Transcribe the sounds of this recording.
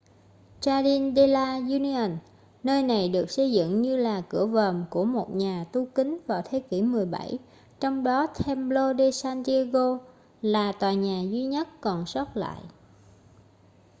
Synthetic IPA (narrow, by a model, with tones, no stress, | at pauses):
t͡ɕaː˧ɗi˧nɗe˧laː˧zu˧ni˧ə˨˩n | nəː˧jna˨˩jɗɨ˨˩ək̚sə˧jzɨ̰˧˨ŋɲɨ˧laː˨˩kɨ̰˧˩əvəː˨˩mku˧˩əmo˨˩t̚ɲaː˨˩t̪u˧kï˨˦ŋ̟vaː˨˩wt̪ʰe˨˦ki˧˩mɨ˨˩əjɓa̰˧˩j | t͡ɕɔ˧wŋ͡mɗɔ˨˦t̪ʰɛ˧mlo˧ɗe˧saː˧nt̪i˧a˧ɣo˧ | laː˨˩t̪waː˨˩ɲaː˨˩zwi˧ɲə˦˥t̚kɔ˨˩nsə˦˥t̚la̰ː˧˨jʔ